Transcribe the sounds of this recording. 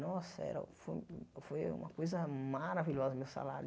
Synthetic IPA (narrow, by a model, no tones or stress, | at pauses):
nɔsɐɛ̰ɾɐ̰fojfojṵ̃mɐkojzɐmaɾaviʎɔzɐmewsa̰laɾ